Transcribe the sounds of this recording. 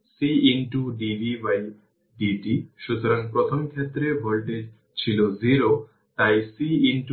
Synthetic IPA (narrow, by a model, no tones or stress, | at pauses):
siinʈuɖibʱiwaj | ɖiʈiʃut̪ɔɾaŋpɾɔt̪ʰɔmkʰjet̪ːɾebʱɔlʈed͡ʒ | t͡ʃʰiloziɾo | t̪ajsiiɳʈu